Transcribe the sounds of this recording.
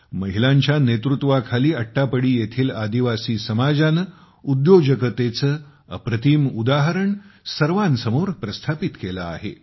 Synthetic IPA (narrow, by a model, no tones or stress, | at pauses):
məɦilãɲt͡ɕjanet̪ɾut̪ʋakʰaliːəʈːapəɽiːjet̪ʰiːlad̪iʋasiːsəmad͡zanə | ud̪jod͡ʑəkət̪et͡səː | ə̰pɾət̪iːmud̪aɦəɾəɳsəɾʋansəmoɾpɾəst̪ʰapit̪kela̰ːɦḛ